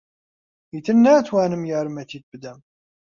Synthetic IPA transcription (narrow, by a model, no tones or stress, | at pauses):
iθənːæt͡sːwænəmjəɾˤəmæt̪it̪̚bd̪æm